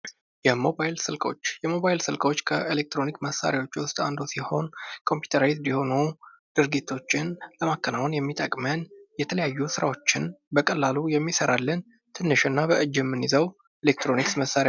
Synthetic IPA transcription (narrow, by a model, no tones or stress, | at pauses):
jɛmo̞bajilsɨlkʼo̞̰t͡ʃːjɛmo̞bajlsɨlkʼo̞t͡ʃːkʰə̰ʔelek̚t̪ʰɾo̞nikməsːa̰ɾjawo̞t͡ʃːwʊst̪ʼa̰nd̪usiho̞nkʰo̞mpjut̪ʰəɾat̪d̪iho̞nu | d̪̥ɨɾɡit̪ʰːo̞t͡ʃːɪnləmakːənawnjɛmːit̪ʼəkʼmənjɛt̪ʰələjajːusɨɾa̰wo̞t͡ʃːɪnbəkʼəlːalujɛmːisəɾalːən | t̪ʰɨnːɨʃɨnːabəʔɨd͡ʒːɪmːɨnizəw | elek̚t̪ɾo̞niksməsːaɾj